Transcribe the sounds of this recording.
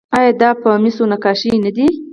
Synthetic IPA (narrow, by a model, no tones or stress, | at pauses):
ɑjɑd̪ɑpəmisonakɑʃinad̪i